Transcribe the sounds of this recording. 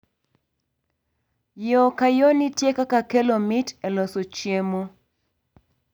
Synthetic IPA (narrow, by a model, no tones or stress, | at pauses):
jokajonitjekakakelomɪtelosot͡ʃjemo